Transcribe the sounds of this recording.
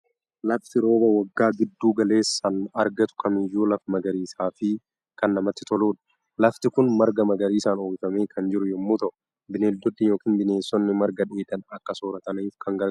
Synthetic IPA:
lɐft̪ɪɾo̞ːbɐwɐɡːaːɡɪd̪ːuːɡɐle̞ːsːɐnɐɾɡɐt̪ʊ̥kʰɐmɪjːuːlɐfmɐɡɐɾiːsaːfɪ | kɐnːɐmɐt̪ːɪt̪ɔluːᶑɐ̥ | lɐft̪ɪkʊnmɐɾɡɐmɐɡɐɾiːsaːnoːbɪfɐme̞ːkʰɐnd͡ʒɪɾʊjɛmːuːt̪ɐʔʊ | bɪneːld̪ɔd̪ːijoːkiːnbɪne̞ːsːɔnːɪmɐɾɡɐᶑeːd̪ɐnɐkːɐsoːɾɐt̪ɐnɐɪfkʰɐŋɡɐɾ

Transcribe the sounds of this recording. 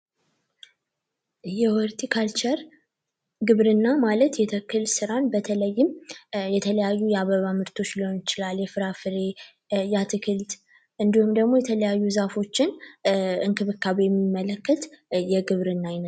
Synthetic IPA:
jɛwɔɾt̪ʰikʰalt͡ʃɛɾ | ɡɨβɾɨnːamalət̪jɛt̪ʰəkːɨlsɨɾanbət̪ʰələjːɪmjɛt̪ʰələjajːujɛaβəβamɨɾt̪ʰo̞t͡ʃːliho̞njɪt͡ʃɪlaljɛfɨɾafɨɾe | jat̪ʰɨkʰɨlt̪ | ʔɨnd̪ihumd̪əɡmo̞jɛt̪ʰələjajːuzafo̞t͡ʃːɪn | ɨŋkʰɨβɨkːaβjɛmːimːələkːət̪jɛɡɨβɾɨnːajnə

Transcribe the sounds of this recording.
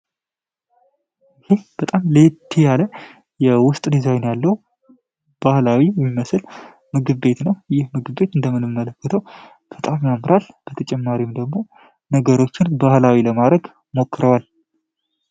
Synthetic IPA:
ɪhe̞b̥ət̪ʼamlet̪ʰːijalə | jɛwʊst̪ʼd̪izajnjalːəw | b̥ahlawijɛmːiməsɨl | mɨɡɨβːe̞t̪nəwjɪhmɨɡɨβbe̞t̪ɨnd̪əmɨnɨmːələkːət̪ʰəw | b̥ət̪ʼamjamɾalb̥ət̪ʰət͡ʃʼɛmːaɾimd̪əɡmo̞ | nəɡəɾo̞t͡ʃːɪnbahlawiləmad̪ɾəɡ | mo̞kːɨɾəwal

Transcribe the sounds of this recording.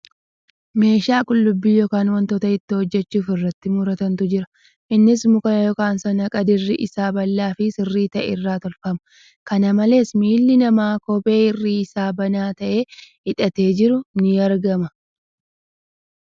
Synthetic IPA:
me̞ːʃaːkʼʊlːʊbːiːjɔkaːnwɐnt̪ɔt̪ɐɪt̪ːɪhɔd͡ʒːɛt͡ʃːuːfɪrːɐt̪ːɪmʊɾɐt̪ɐnt̪ʊd͡ʒɪɾɐ̥ | ʔɪnːɪsmʊkɐnɐjɔkaːnsɐnɐkʼɐd̪ɪrːɪʔɪsaːbɐlːaːfɪsɪrːiːt̪ɐʔɪrːaːt̪ɔlfɐmɐ̥ | kɐnɐmɐle̞ːsmiːlːɪnɐmaːkɔpʼe̞ːɪrːiːɪsaːbɐnaːt̪ɐʔe̞ː | ɪᶑɐt̪e̞ːd͡ʒɪɾʊnɪɐɾɡɐmɐ

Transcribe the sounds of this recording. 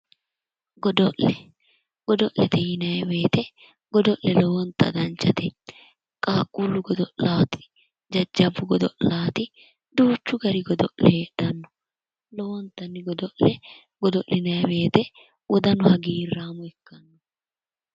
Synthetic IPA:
ɡɔd̪ɔʔlɛ | ɡ̥ɔd̪ɔʔlɛt̪ʰɛjɪnɐjɛwe̞ːt̪ɛ | ɡ̥ɔd̪ɔʔlɛlɔwɔnt̪ːɐ̰d̪ɐnt͡ʃːɐt̪ɛ | kʼaːkʼːulːʊɡɔd̪ɔʔlaːt̪ɪ̥ | d͡ʒɐd͡ʒːɐbːʊɡɔd̪ɔʔlaːt̪ɪ | d̪uːt͡ʃːʊɡɐɾɪɡɔd̪ɔ̰ʔlɛᶑɐnːɔ | lɔwɔnt̪ːɐnːɪɡɔd̪ɔʔlɛ | ɡ̥ɔd̪ɔʔlɪnɐjɛbe̞ːt̪ɛ | wɔd̪ɐnʊhɐɡiːrːaːmʊɛkːɐnːɔ

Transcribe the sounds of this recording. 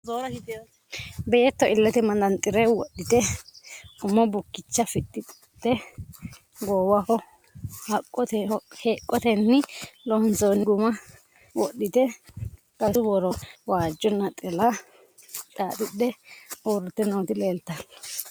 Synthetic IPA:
zoːɾɐkɪ | beːt̪ːɔʔɪlːɛt̪ɛmɐnd̪ɐnt̪ʼːɪɾɛwɔɗːɪt̪ɛ | ʊmːɔbʊkːɪt͡ʃːɐfɪɗɪ | d̪ɛ | ɡoːwɐkɔ | hɐkʼːɔt̪ɛheːkʼːɔt̪ɛnːɪlɔnt͡sɔnːɪɡʊmɐ | wɔ̰ɗːɪt̪ɛ | kʼɐsʊwɔɾɔwaːd͡ʒːɔnːɐt̪ʼɛla | t͡ʃʼaːt̪ʼɪɗɛoːɾɛt̪ːɛnoːt̪ɪleːlt̪ːɐ

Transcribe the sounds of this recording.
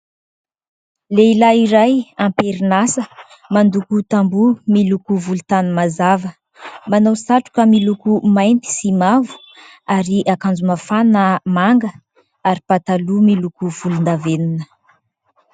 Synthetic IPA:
leilaiɾajampeɾinasə | mand̪ukut̪ambumilukuvulut̪anumazavə | manowsaʈ͡ʂu̥kəmilukumajnt̪i̥simavu̥ | aɾiʔakand͡zumafanəmaŋɡə | aɾipat̪alumilukuvulund̪avenunə

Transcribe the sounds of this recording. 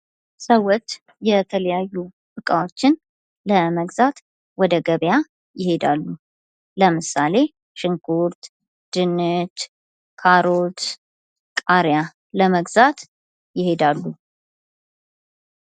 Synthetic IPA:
səwɔt͡ʃ | jɛt̪ʰələjajːu | bɨkʼawot͡ʃːɪn | ləməɡzat̪ | wɔd̪əɡəβja | jɪhe̞d̪alːu | ləmɨsale̞ | ʃɨŋkʰuɾt̪ | d̪̥ɨnːɨt̪ | kʰaɾot̪ | kʼaɾja | ləməɡzat̪ | jɪhe̞d̪alːu

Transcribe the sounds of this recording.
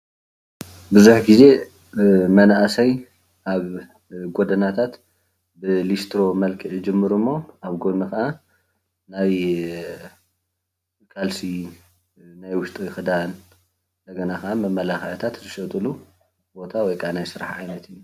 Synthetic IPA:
bɨzuħɡize̞ | mɐnaʔasɐj | ʔaβ | ɡo̞d̪ɐnat̪ʰat̪ | bɨlist̪ɾo̞mɐlkʰɨʔd͡ʒɨmːɨɾumːo̞ʔaβɡo̞nɨkɐʔa | naj | kʰʼalsi | najwʊʃt̪ʼɨxɨd̪an | nd̪ɐɡɐnakɐʔamɐmːɐlaxɐjɐt̪ʰat̪zɨʃɐt̪ʼɨlu | bo̞t̪ʰawɔjkʰʼanajsɨɾa̰ħʕajnɐt̪ʰɨjːu

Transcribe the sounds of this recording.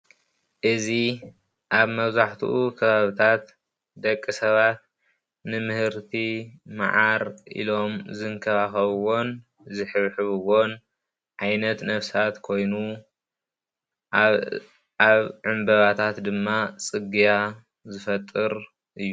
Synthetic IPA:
ʔɨzi | ʔaβmɐβzaħt̪ʰṵʔukʰɐβaβɨt̪ʰat̪ | d̪ɐkʼːɨsɐβat̪̚ | nɨmɨhɨɾt̪ʰima̰ʕaɾḭlo̞mzɨŋkʰɐβaxɐβɨwo̞n | zɨħɨβħɨβɨwon | ʕajnɐt̪nɐβsat̪kʰo̞jnu | aβʕɨmbɐβat̪ʰat̪d̪ɨmːat͡sʼɨɡija | zɨfɐt̪ʼːɨɾ | ʔɨjːu

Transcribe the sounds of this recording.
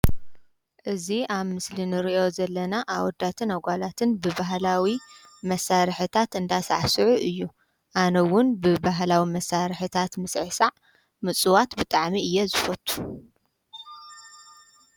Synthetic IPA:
ʔɨziaβmɨslinɨɾiʔo̞zɐlːɐnaʔawɔd̪ːat̪ʰɨnaɡʷalat̪ʰɨnbɨbaɦlawi | mɐsaɾɨħɨt̪ʰat̪ɨnd̪asa̰ʕsɨʕuʔɨjːu | ʔanɐwʊnbɨbaɦlawimɐsaɾɨħɨt̪ʰat̪mɨsʕɨsaʕ | mɨt͡sʼuwat̪bɨt̪ʼaʕmiɨjːɛzɨfɐt̪ʼːu̥

